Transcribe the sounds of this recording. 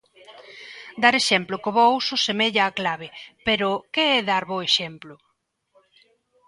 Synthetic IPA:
d̪aɾeʃɛmplʊkoβɔwsʊsemeʎaːklaβɪpeɾʊkeɛðaɾβoeʃɛmplʊ

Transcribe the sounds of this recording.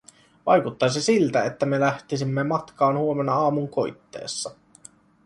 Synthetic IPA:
ʋɑ̰jkut̪ːɑsesilt̪æet̪ːæme̞læht̪isimːemɑt̪kɑːnhuome̞nːɑɑːmuŋko̞jt̪ːe̞̰ːsːɑ

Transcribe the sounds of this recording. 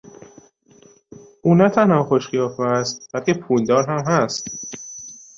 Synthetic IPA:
ʔuːnæt̪ʰænhɒːxoʃxijɒːfoæst̪b̥ælcepʰuːld̪ɒːɾɦæmɦæst̪

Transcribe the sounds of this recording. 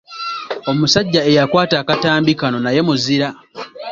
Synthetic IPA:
o̞musaɟːae̞jakwaːtaːkataːmbikano̞naje̞muziɾa

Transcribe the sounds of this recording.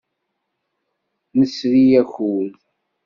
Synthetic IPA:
nəsɾijæçuð

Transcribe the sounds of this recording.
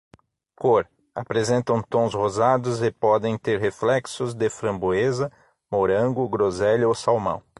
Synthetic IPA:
koɾ | apɾezẽnt̪ɐ̃w̃t̪õw̃shozad̪ʊzɪpɔd̪ẽj̃t̪eɾɦeflɛksʊzd̪ɪfɾɐ̃mbuezɐ | moɾɐ̃ɡʊɡɾozɛlowsawmɐ̰̃w̃

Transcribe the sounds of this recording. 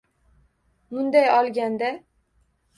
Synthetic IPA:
mʊnd̪ajɒlˠɡʲand̪a

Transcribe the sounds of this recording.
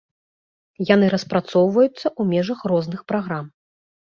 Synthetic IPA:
jan̪ɨɾɐspɾat̪sɔwvɐjut̪sːɐʔumʲɛʐɐxrɔznɨxpɾaɣɾam

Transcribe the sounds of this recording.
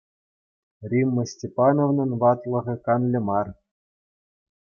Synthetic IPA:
rʲimːɤ̆sʲtʲepɑnovnɤ̆nʋɑt̪lˠɤ̆ʁʲɤ̆kɑnlʲɘ̆mɑr

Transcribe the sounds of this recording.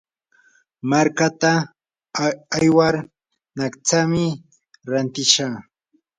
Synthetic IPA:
maɾkat̪a | jwaɾ | nakt͡samɪ | ɾant̪ɪʃa

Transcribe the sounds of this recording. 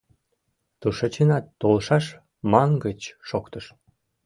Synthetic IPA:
t̪uʃə̆t͡ɕənɑt̪ːolʃɑʃ | mɑŋɡət͡ɕːokt̪ə̆ʃ

